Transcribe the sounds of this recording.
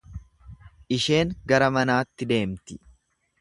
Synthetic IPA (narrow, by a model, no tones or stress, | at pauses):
ʔɪʃe̞ːŋɡɐɾɐmɐnaːt̪ːɪd̪e̞ːmt̪ɪ